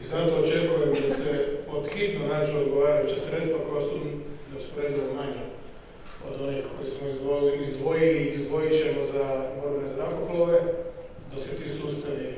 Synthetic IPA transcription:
izat̪oot͡ʃekomemd̪aseot̪xit̪nonaːt͡ʃuod̪ɡoʋaːɾajut͡ʃesɾe̞t̪st̪ʋako̞jasud̪osu̥poɾed̪almaɲe | od̪o̞nixko̞jismoioizd̪ʋojiliːzd̪ʋo̞jit͡ʃemozamoɾnezɾakoplˠoʋe̞ | d̪aset̪isust̪ane

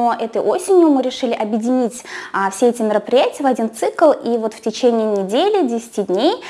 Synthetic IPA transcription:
oʔɛt̪əjʔo̞sʲɪnʲjʊmɨɾʲɪʂɨlʲɪʔɐbʲjɪdʲɪnʲitʲːfsʲeɛtʲɪmʲɪɾəpɾʲɪjætʲɪjəvɐdʲint̪sɨklˠʔivo̞t̪ftʲɪt͡ɕenʲɪjnʲɪdʲelʲɪdʲesʲɪ̥tʲid̪ʲnʲej

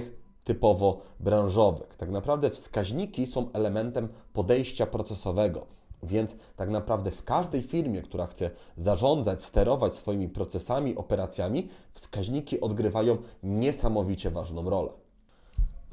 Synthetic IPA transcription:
xt̪ɘpɔvɔbɾãw̃ʐɔvɘ̰xt̪aknapɾavd̪ɛfskaʑɲikʲisɔ̃w̃ʔɛlɛmɛnt̪ɛmpɔd̪ɛjɕt͡ɕapɾɔt̪sɛsɔvɛɡɔ̰ | vʲjɛnt̪st̪aknapɾavd̪ɛfkaʐd̪ɛjfʲiɾmʲjɛkt̪uɾaxt̪sɛzaʐɔnd̪zat͡ɕst̪ɛɾɔvat͡ɕsfɔjimʲipɾɔt̪sɛsamʲiʔɔpɛɾat̪sʲjamʲifskaʑɲikʲiʔɔd̪ɡɾɘvajɔ̃w̃ɲɛsamɔvʲit͡ɕɛvaʐnɔ̃w̃ɾɔlɛ̰

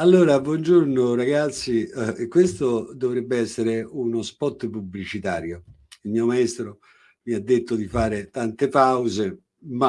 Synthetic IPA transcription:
alːoːɾabwɔnd͡ʒuɾnoraɡat̪sːikːwest̪od̪ovɾɛbːɪɛsːeɾɪunospɔt̪ːp̬ubːlit͡ʃit̪aːɾjo | ilmiːomaɛst̪ɾo | miad̪ːet̪ːod̪ifaːɾɪt̪ant̪ɪpawze | ma

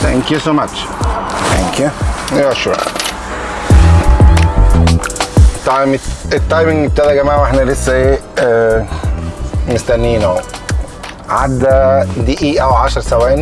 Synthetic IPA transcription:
t̪ʰæ̰ŋkjusoːmat͡ʃ | t̪æ̰ŋkjuiwæʃuːɾ | t̪ːɑjmet̪ːɑjmiŋeb̚t̪æd̪æɡæmaːʕweħnælesːæeː | most̪ænːiːno | ʕad̪ːæd̪iʔiːʔæwʕaʃɑɾˤsæwæːʔn

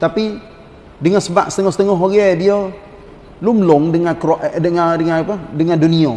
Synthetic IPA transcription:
t̪api | dəŋansəbaʔsət̪əŋɔhsət̪əŋɔɦoɡediə | luməlʊŋdəŋakɾoʔdəŋadəŋanapadəŋandunio̰

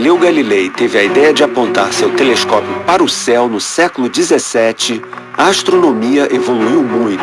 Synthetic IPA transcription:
lewɡalilejt̪evɪɐid̪ɛjɐd͡ʒɪapõnt̪aɾsewt̪eleskɔpjʊpaɾʊsɛwnʊsɛkʊlʊd͡ʒizesɛt͡ʃɪɐaʃt̪ɾonõmiɐʔevoluiwmũj̃t̪ʊ

